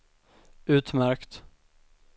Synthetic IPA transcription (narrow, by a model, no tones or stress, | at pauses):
ʉ̟ːt̪mæɾkt̪